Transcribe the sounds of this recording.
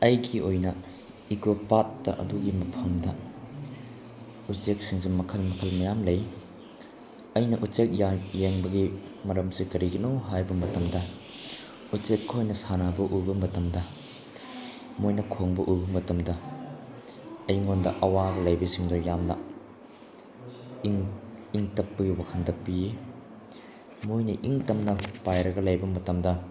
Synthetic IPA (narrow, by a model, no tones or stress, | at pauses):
ɐjɡiojnɐ | iɡopat̚ːɐ̰ʔɐ̰duɡimɐpʰɐmdɐ | ut͡ʃek̚siŋzemɐkʰɐlmɐkʰɐlmɐjamlɐj | ɐjnɐʔut͡ʃek̚jjeŋbɐɡimɐɾɐmsikɐɾiɡɐnowɦajbɐmɐtɐmdɐ | ut͡ʃekːojnɐsanabɐʔujbɐmɐtɐmdɐ | mojnɐkʰoŋbɐʔubɐmɐtɐmdɐ | ɐjŋondɐ̰ʔɐwaɡɐlɐjbisiŋdojamnɐ | iŋtɐpːɐɡiwakʰɐndɐpiji | mojnɐʔiŋtɐmnɐpajɾɐɡɐlɐjbɐmɐtɐmdɐ